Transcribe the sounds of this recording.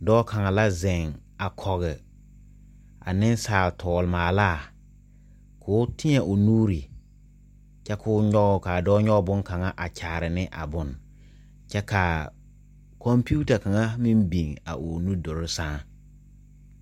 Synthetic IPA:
dɔː˦kʰa˨ŋa˨la˦zɛ˨ŋ | a˨kʰɔ˨ɣɪ˨ | a̰˨nɪ˦n˦saː˨ltʰɔː˨lmaː˨laː˦˨ | kʰʊː˦tɪ˦ɲɛ˨ʔʊ˨nuː˦ɾi˨ | t͡ʃɛ˦kʰʊː˦ɲɔ˦ɣʊ˦ka˨dɔː˦ɲɔ˦ɡbʊ˦ŋka˨ŋa˦ʔa˨t͡ʃʰaː˨ɾɪ˨nɪ˦ʔa̰˨bʊ˨n | t͡ʃɛ˦ka˨ | kɔ˦mpuː˦ta˨ka˨ŋa˦mɪ˦mbi˨ŋa̰˨ʔo˨nu˦dʊ˨ɾɪ˦sãː˦

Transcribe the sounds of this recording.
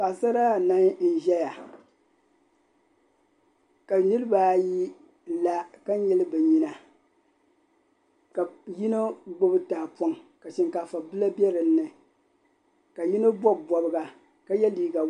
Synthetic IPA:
ka˨sa˦ɾa˦˨na˦ŋ˦n̩˦ʒɛ˦ja˨ | ka˨nɨ˦ɾɨ˦ba˨ji˦ | la˦ka˦ɲ˦jɛ˦lɨ˦bɛ˨ɲi˦na˨ | ka˨ji˦no˦ɡ͡bo˦bɨ˦taː˨pɔ˦ŋka˨ʃɪ˨ŋka˨fa˨bɨ˦la˦bɛ˦ɾɨ˨nːɨ˨ | ka˨ji˦no˦bɔ˦bbɔ˨bɨ˦ɡa˨ | ka˦jɛ˦liː˦ɡa˨

